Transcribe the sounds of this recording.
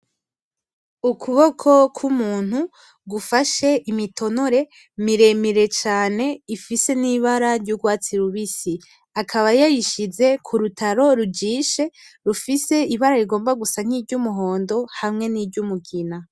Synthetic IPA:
ukʰuβo̞kʰo̞kʰumuːn̥hu | ɡufaʃe̞ʔimitʰo̞noɾe̞ | miɾe̞miɾe̞t͡ʃaːne̞ifise̞niβaɾaɾɟuɡwaːt͡siɾuβisi | akʰaβajajiʃize̞kʰuɾutʰaɾo̞ɾuɟiːʃe̞ɾufise̞iβaɾaɾiɡo̞ːmbaɡusaŋ̥iːbɟumuɦo̞ːndo̞hamŋe̞niːbɟumuɡina

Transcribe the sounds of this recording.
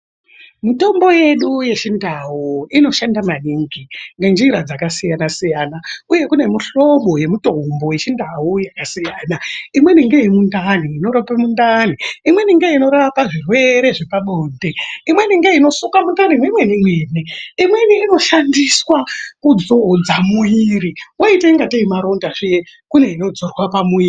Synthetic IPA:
mito̞mbo̞je̞ɗuje̞t͡ʃindaɦuino̞ʃandamaniŋɡiŋɡend͡ʒiɾad͡zakasijanasijanauje̞kune̞miɬo̞ɓo̞je̞mito̞mbo̞je̞t͡ʃindaujakasijaːnaimwe̞niŋɡeimundaniːno̞ɾopamundaniimwe̞niŋɡeino̞ɾaʋapaʐirwe̞ɾe̞ʐepaɓoːndeimwe̞niŋɡeino̞sukamundanimwemwenimweneimweniːno̞ʃandiswakud͡zod͡zamuiriwoiteiŋɡateimaɾo̞ndaʐije | kune̞ino̞d͡zorwapamuiː

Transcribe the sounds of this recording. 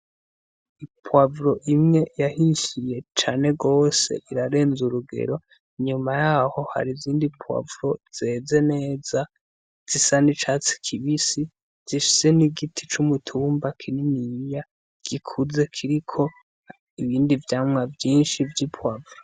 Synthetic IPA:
ipʰwavɾo̞ʔimŋe̞jahiʃije̞t͡ʃaːne̞ɡo̞ːse̞̰ʔiɾaɾe̞ːnzuɾuɡe̞̰ɾo̞ | ɲumajaho̞ha̰ɾiziːndipʰwa̰vɾo̞z̥e̞ːze̞ne̞ːza | z̥isanit͡ʃat͡si̥kʰiβisi | z̥iʃu̥se̞niɡitʰit͡ʃumutʰuːmbakʰininija | ɡ̥ikʰuze̞kʰiɾikʰo̞ | iβiːndivjaːmŋavjiːnʃivjipʰwavɾo

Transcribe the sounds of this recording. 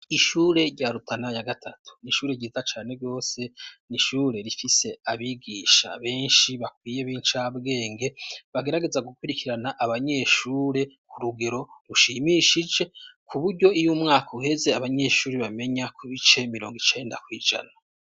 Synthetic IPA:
iʃuːɾe̞ɾɟaɾutʰanajaɡatʰatʰu̥niʃuːɾe̞ɟiːzat͡ʃaːne̞ɾɡo̞ːse̞niʃuːɾe̞ɾifise̞aβiɡiːʃa̰βe̞ːnʃiβakwiːje̞βiːnt͡ʃabɡe̞ːŋɡe̞βaɡe̞ɾaɡe̞zaɡukwuɾikiɾanaʔaβaɲe̞ʃuːɾe̞kuɾuɡe̞ɾo̞ɾuʃimiʃid͡ʒe̞kʰuβuɾɟo̞ijumŋaːkʰauhe̞ze̞aβaɲe̞ːʃuːɾeβame̞ɲakʰuβit͡ʃe̞miɾo̞ːŋɡit͡ʃe̞ːndakwiːd͡ʒa̰na

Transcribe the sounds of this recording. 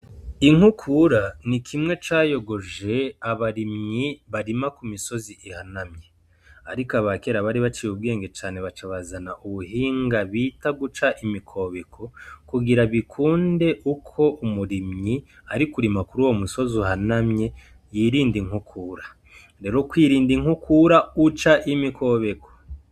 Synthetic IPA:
iŋ̥hukʰuɾanikʰimŋe̞t͡ʃaːjo̞ɡo̞ʒe̞aβaɾimɲiβaɾimakumiso̞ziʔihanamɲe | aɾikaβakeɾaβaɾiβat͡ʃijubɡe̞ːŋɡe̞t͡ʃaːne̞βat͡ʃaβazanaʔuβuɦiːŋɡaβiːtaɡut͡ʃaʔimikʰo̞βekʰo̞kuɡiɾaβikʰuːnde̞ʔukʰo̞ʔumuɾimɲi | aɾikuɾimakuɾuwo̞muso̞zuhanamɲe̞ | jiːɾiːndiŋ̥hukʰuːɾa | ɾe̞ːɾokwiːɾiːndiŋukʰuɾaut͡ʃaʔimikʰo̞ːβe̞ko̥

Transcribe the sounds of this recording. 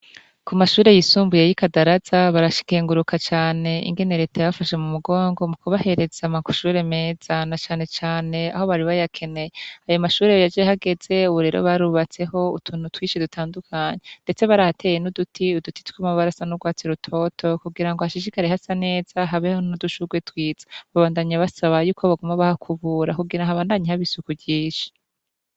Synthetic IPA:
kumaʃuːɾe̞jisuːmbuje̞jikadaɾaz̥aβaɾaʃi̥keːŋɡuɾukʰat͡ʃaːne̞ʔḭŋɡe̞neɾetajaβafaʃe̞mumuɡo̞ːŋɡo̞mukuβahe̞ɾe̞z̥amaku̥ʃuːɾe̞me̞ːz̥anat͡ʃaːne̞t͡ʃaːne̞a̰ho̞βaɾiβajakʰe̞ne̞jeajo̞maʃuːɾe̞jjad͡ʒeehaɡe̞ze̞uβuɾe̞ːɾʔo̞̰βaɾuβat͡se̞ɦo̞ṵtʰuːn̥utwiːʃidutʰaːndukʰaɲende̞t͡se̞βaɾahatʰe̞ːjenudutʰiuduti̥tu̥kamaβaɾasanuɡwaːt͡siɾutʰo̞tʰo̞kuɡiɾaŋɡohaʃiʃikaɾehasane̞ːz̥aɦaβehonuduʃuɡwetwiːz̥ḁβaβaːndaɲaβasaβajuːkʰo̞βaɡumaβahakʰuβuːɾakuɡiɾaŋhaβaːndaɲihaβisukubɟiːʃi̥

